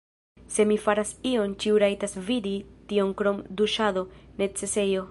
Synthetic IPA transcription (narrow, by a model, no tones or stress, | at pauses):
se̞mifaɾasio̞nt͡ʃiuɾajtasviditio̞ŋkɾo̞mduʃado̞ne̞t͡se̞se̞jo̞